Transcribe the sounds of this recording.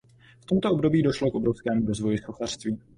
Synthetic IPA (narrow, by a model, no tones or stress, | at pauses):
ft̪o̞mt̪obdo̞biːdo̞ʃlokobɾofskɛːmuɾozvo̞jɪsoxar̥st̪viː